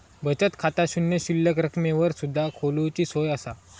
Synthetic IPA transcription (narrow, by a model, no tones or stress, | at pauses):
bət͡ɕət̪kʰat̪aɕunjəɕilːəkɾəkʰmeʋəɾsud̪ʱːakʰolut͡ɕiːsojasa